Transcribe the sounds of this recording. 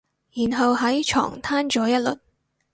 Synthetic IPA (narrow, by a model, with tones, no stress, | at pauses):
jiː˨˩nɦɐ˨wɦɐ˨˥jt͡ʃʰɔ̰ː˨˩ŋt̪ʰaː˥nt͡ʃɔː˨˥jɐ˥t̚lɵ˨t̚